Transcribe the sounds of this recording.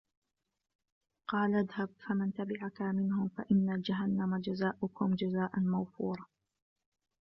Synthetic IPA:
qɑːlʔaðhab̚famɪnt̪abɪʕakamɪnhʊmfa̰ʔɪnːad͡ʒaɦanːamad͡ʒazaːʔʊkʊmd͡ʒazaːʔanmawfuːɾˤ

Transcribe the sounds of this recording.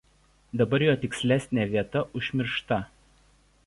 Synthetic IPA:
d̪ɐbɐɾjoːt̪ʲɪksʲlʲæˑsʲnʲeːʋʲiɛt̪ɐʔʊʒʲmʲɪɾʃt̪ɐ

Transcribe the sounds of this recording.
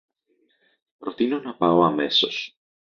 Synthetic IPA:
pɾo̞t̪ino̞nɐpɐo̞ɐme̞so̞s

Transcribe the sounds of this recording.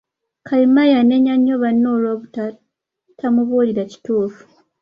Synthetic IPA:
kʰaimajane̞ɲaɲːoβanːoːloβuta | tʰamuβoliɾaci̥tuːfu̥

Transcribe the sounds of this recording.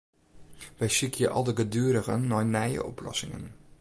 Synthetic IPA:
ʋɛjsikʰjəʔɑ̰lˠdəɡədyəɾəɣənːɔjnɛjə̰ʔɔplɔ̰sɪŋə̰n

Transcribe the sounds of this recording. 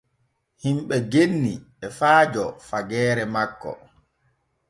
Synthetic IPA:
himɓɛɡenːiɓɛfaːd͡ʒɔfaɡɛːɾɛmakːɔ̰

